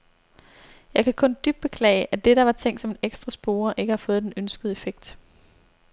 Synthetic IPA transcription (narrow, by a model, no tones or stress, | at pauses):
jɑ̈ɪkʰækʰɔ̽nd̥yb̥̚e̝kʰlɛ̰ɪəʔæd̥e̝ɾ̥ɑ̈ʋɑ̈t͡sʰeŋ̰d̥sɒ̽me̝neɡ̥sd̥ʁɑsb̥o̝ːɐʔe̝ɡ̥əhɑ̈fɔ̽ːð̞̩ˠd̥enønsɡ̥əð̩ˠe̝feɡ̥̚d̥